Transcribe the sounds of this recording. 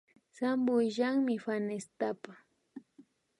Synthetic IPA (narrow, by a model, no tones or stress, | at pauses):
sambʊjʒaŋmɪfanest̪apa